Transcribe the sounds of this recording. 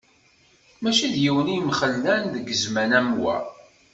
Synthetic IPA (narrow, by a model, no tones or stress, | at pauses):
mæʃiðjiwənijmχəlːænðəɡəzmænæmwæ̰